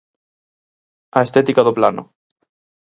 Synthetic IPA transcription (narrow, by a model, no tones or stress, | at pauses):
aest̪et̪ikaðoplano